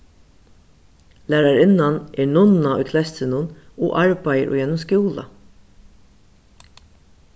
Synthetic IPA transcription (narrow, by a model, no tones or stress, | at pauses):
læːɾaɹɪnaneːɹnʊnaɔ̰jkʰlɛst̪ɪnʊno̰ːʔɑɹbæjəɾʔʊ̰ːjɛnːʊmskuːla̰